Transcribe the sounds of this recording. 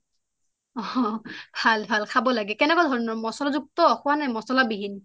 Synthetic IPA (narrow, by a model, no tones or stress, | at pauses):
ɔbʱalbʱalkʰabɔlaɡɛkɛnɛkɔdʱɔɹɔnɔɹmɔsɔlɔzuk̚t̪ɔxʊwanajmɔsɔlabiɦin